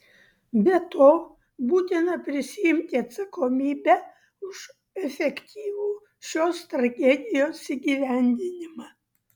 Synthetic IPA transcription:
bʲɛt̪oː | buːt̪ʲɪnɐpʲɾʲɪsʲɪɪmʲt̪ʲɪɐt̪sɐkoːmʲiːbʲɛ | ʊʃ | ɛfʲɛkt̪ʲʰiːʋuː | ʃʲoːst̪ɾɐɡʲɛd̪ʲɪjoːsiɡʲiːʋʲæˑnʲd̪ʲɪnʲɪmɑ

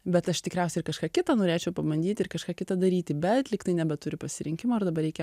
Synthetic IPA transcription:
bʲɛt̪ɐʃt̪ʲɪkɾʲɛʊsʲɛɪrkɐʃkɑːkʲɪt̪ɐnoːɾʲeːt͡ʃʲɛʊpɐbɐnʲd̪ʲiːt̪ʲɪrkɐʃkɑːkʲɪt̪ɐd̪ɐɾʲiːt̪ʲɪbʲɛt̪lʲɪkt̪ɐɪnʲæbʲɛt̪ʊɾʲɪpɐsʲɪɾʲɪŋʲkʲɪmoːɪrd̪ɐbɐrɾʲɛɪkʲɛ

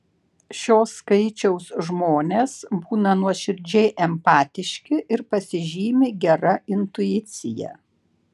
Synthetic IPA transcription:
ʃʲoːskɐɪt͡ʃʲɛʊsʒmoːnʲeːsbuːnɐnuɔʃʲɪɾʲd͡ʒʲɛɪʔɛmpɑːt̪ʲɪʃʲkʲɪʔɪɾpɐsʲɪʒʲiːmʲɪɡʲɛɾɐɪnt̪ʊɪt̪sʲɪjɛ̰

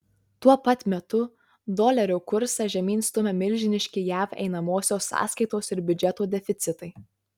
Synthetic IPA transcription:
t̪uɔpɐt̪ʲmʲɛt̪ʊ | d̪oːlʲɛɾʲʊːkʊɾsɐʒʲɛmʲiːnʲst̪ʊmʲɛmʲɪlʲˑʒʲɪnʲɪʃʲkʲɪjæːfɛ̰ɪn̪ɐmoːsʲoːsːɑ̰ːskɐɪt̪oːsɪɾbʲʊd͡ʒʲɛt̪uːd̪ʲɛfʲɪt̪sʲɪt̪ɐɪ

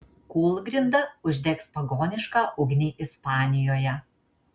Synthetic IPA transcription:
kuːlˠɡʲɾʲɪnd̪ɐʊʒʲd̪ʲɛkspɐɡoːnʲɪʃkɑːʔɔʊɡʲnʲiːʔɪspɑːnʲɪjoːjɛ

